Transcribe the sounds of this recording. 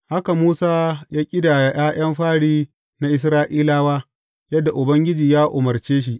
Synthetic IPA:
ha˦ka˨muː˦saː˦jaː˦kʲʼɪ˦da˨ja˨j̰aː˦j̰ɐ˦mɸaː˦ɽiː˦ | na˦ʔɪ˨s̬ɾaː˦ʔiː˦laː˦waː˦ | jɐ˦dːa˨ʔʊ˨bɐ˦ŋɡʲɪ˦d͡ʒiː˨jaː˦ʔʊ̰˨mɐ˨rt͡ʃeː˦ʃ̬i˦ʔ

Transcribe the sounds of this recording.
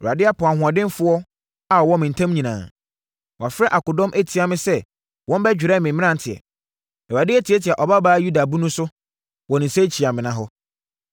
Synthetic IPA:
ʊ˨ɾa˨dɪ˦a˦pʰʊ˨a˨ɦʊ̃˨a˨dɪ̃˦nfʊ˦ɔ˦ | a˨ɔ˨wɔ̃˦mɪ̃˨n̩˨tʰã˦m˦ɲĩ˨nã̰ː˨ | wɔ˨a˨fɾɛ˦ʔa˨kʊ˨dɔ̃˦mʔæ˦tʰi˨a˨mɪ̃˦sɛ˦ | wʔɔ̃˦m˦bɛ˦d͡ʑᶣɪ˨ɾɛ˦˨mɪ̃˨mɪ̃˦ã˦n˨tʰɪ˨ɛ̰˨ | ɛ˨wa˨dɪ˦æ˦tʰi˨ɛ˦tʰɪ˨a˨ʔɔ˨ba˦baː˦ju˦da˨bũ˦nũ˦sʊ˦ | wɔ̃˨nɪ̃˨sɛ˦t͡ɕʰi˨a˨mɪ̃˨nã˦ɦɔ˦

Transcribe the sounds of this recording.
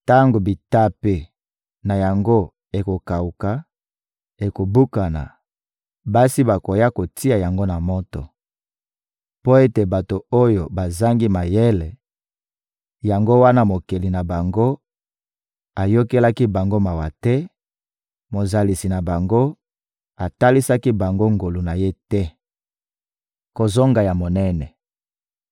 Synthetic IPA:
ta˦ŋɡo˨bi˨ta˦pe˦ | na˨ja˨ŋɡo˦ | e˨ko˨ka˨u˨ka˨ | e˨ko˨bu˦ka˨na̰˨ | ba˦si˦ba˨ko˨ja˦ko˨ti˦a˨ja˨ŋɡo˦na˨mo˦tɔ̰˨ | po˦e˦te˨ba˨to˨o˦jo˨ba˨za˦ŋɡi˦ma˨jɛ˦lɛ˨ | ja˨ŋɡo˦wa˦na˦mo˨ke˨li˨na˨ba˨ŋɡo˦ | a˨jo˦ke˦la˦ki˦ba˨ŋɡo˦ma˨wa˨tɛ˦ | mo˨za˨li˨si˨na˨ba˨ŋɡo˦ | a˨ta˦li˦sa˦ki˦ba˨ŋɡo˦ŋɡo˨lu˨na˨je˦tɛ˦ | ko˨zo˦ŋɡa˨ja˨mo˨nɛ˦nɛ˨

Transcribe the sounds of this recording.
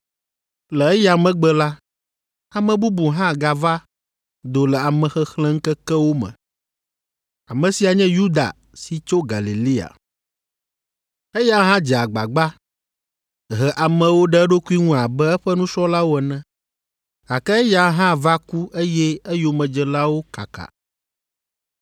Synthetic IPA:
lɛ˨ɛ˦ja˨mɛ̃˦ɡ͡bɛ˦la˦ | a˨mɛ̃˨bu˦bu˨ɦã˦˨ɡa˨va˦ | d̪o˨lɛ˨a˨mɛ̃˨xɛ˦xlɛ̃˦ŋ̩˦kɛ˦kɛ˦wo˦mɛ̰̃˨ | a˨mɛ̃˨si˨a˨ɲɛ̃˦ju˦d̪a̰˨ | si˨t͡ʃo˦ɡa̰˨li˨li˦a̰˨ | e˦ja˦ɦã˦d͡ʒɛ˨a˨ɡ͡ba̰˨ɡ͡ba˦ | ɦɛ˨ʔa˨mɛ̃˨wo˦ɖɛ˦ɖo˦ku˦i˦ŋũ˦a˨bɛ˦ɛ˦ɸɛ˦nũ˦ʃɔ˦la˦wo˦ɛ˨nɛ̃˦ | a˨kɛ˦ɛ˦ja˨ɦã˦va˦ku˦ʔe˦jɛ˦ɛ˦jo˨mɛ̃˨d͡ʒɛ˨la˦wo˦ka̰˨ka̰˨

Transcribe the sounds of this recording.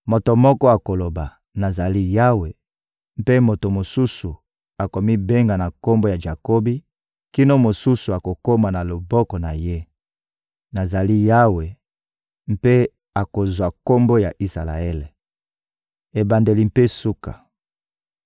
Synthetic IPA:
mo˨to˨mɔ˦kɔ˦a˨ko˨lo˨ba˨ | na˨za˨li˦ja˦we˨ | m̩˦pe˦mo˨to˨mo˨su˦su˨ | a˨ko˨mi˦be˦ŋɡa˨na˨ko˦mbo˦ja˨ʒa˨ko˦bi˦ | ki˦no˦mo˨su˦su˨a˨ko˨ko˦ma˨na˨lo˨bɔ˦kɔ˨na˨je˦ | na˨za˨li˦ja˦we˨ | m̩˦pe˦ | a˨ko˨zwa˨ko˦mbo˦ja˨ʔi˦sa̰˨la̰˨e˦le˨ | e˨ba˨nde˨li˨m̩˨pe˦su˦ka̰˨

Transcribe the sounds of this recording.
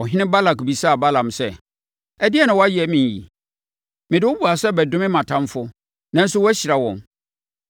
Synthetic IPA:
ɔ˨ɦɪ̃˦nɪ̃˦ba˦la˨kbi˨saː˦˨ba˦lã˨msɛ˦ | ɛ˦dɪ˦ɛ˦nʊ̃˨wɔ˦a˦ji˨ɛ˨˦mĩ˨n˨jḭ˨ | mɪ̃˨dɪ˦wʊ˦bu˨a˨sɛ˦bɛ˨dʊ̃˦mɪ̃˦mã˨tʰã˦mfʊ˦ | nã˦n̩˦sʊ˦wɔ˦æ˦ɕɪ˨a˨wɔ̃˨m

